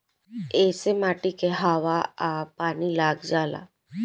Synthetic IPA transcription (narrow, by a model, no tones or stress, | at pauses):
eːsemaːʈikeɦaːʋaapaːnilaːɡd͡ʒaːla̰ː